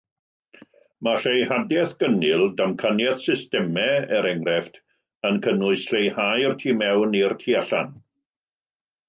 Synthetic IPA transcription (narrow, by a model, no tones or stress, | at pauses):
maɬejhadjɛθɡ̥ənɪlˠdamkʰanjɛθsɪstɛmɛəɾɛŋrɛftʰ | ənkʰənʊɨsɬejhajrtʰiːmɛwnirtʰiːaɬan